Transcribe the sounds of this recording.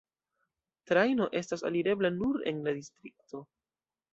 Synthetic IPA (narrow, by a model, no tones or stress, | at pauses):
tɾajno̞ʔe̞stasa̰liɾe̞blanuɾe̞̰nladistɾik̚to̞